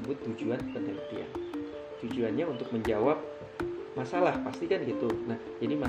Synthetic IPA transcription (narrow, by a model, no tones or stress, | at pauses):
əbʊt̪ːud͡ʒuanp̪ənɛmt̪ia̰n | t̪ud͡ʒuanɲaunt̪ʊk̚məɲd͡ʒawap̚ | masalahpast̪ikanɡit̪unahd͡ʒadima